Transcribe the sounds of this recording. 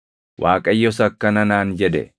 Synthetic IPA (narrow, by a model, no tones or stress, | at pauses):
wʔaːkʼɐjːɔsɐkːɐnɐnaːnd͡ʒɛd̪ɛ̰